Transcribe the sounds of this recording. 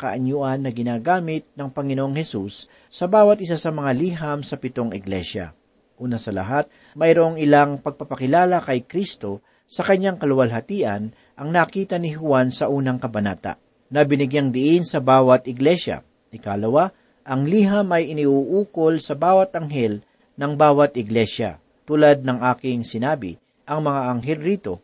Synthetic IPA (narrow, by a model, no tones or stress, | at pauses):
kɐ̰ʔɐɲʊʔanːɐɡɪnaːɡaːmɪt̪̚nɐŋpɐŋɪnoʔoŋhɛsusː | ɐbaːwɐt̪ʔɪsasɐmɐŋaliːɦɐmsɐpɪt̪o̞ŋɪɡlɛ̰ʃa̰ | ʔuːnɐsɐlɐ̰ɦat̪̚ | mɐjɾoŋɪlaŋpɐɡ̚pɐpɐkɪlaːlɐkɐjkɾist̪o̞ | sɐkɐɲːaŋkɐlʊwɐlɦɐt̪iːʔɐn | ʔɐŋnɐkiːt̪ɐnɪɦʊwansɐʔuːnɐŋkɐbɐna̰ːt̪a̰ʔ | nɐbɪnɪɡjaŋd̪ɪʔɪnsɐbaːwɐt̪ɪɡlɛʃɐ̰ | ʔɪkaːlɐwa | ʔɐŋliːɦɐmɐjʔɪniʔuʔuːko̞lsɐbaːwɐt̪ɐŋɦɛl | nɐŋbaːwɐt̪ɪɡlɛʃɐ̰ | t̪uːlad̪̚nɐŋʔaːkɪŋsɪnaːbɪ̰ | ʔɐŋmɐŋaʔɐŋɦɛlɾiːt̪o̞